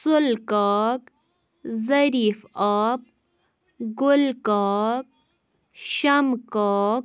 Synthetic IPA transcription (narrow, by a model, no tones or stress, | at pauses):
sʊlkaːk | zɐɾiːfap̚ | ɡʊlkaːk̚ | ʃɐmkaːk